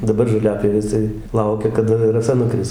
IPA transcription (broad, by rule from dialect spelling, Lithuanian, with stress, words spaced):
dɐˈbɐr ʒoːˈlʲæːpʲjoːʋʲeːs tɐɪ ˈlˠɐʊkʲɛ kɐˈdɐ rɐˈsɐ nʊˈkrʲɪs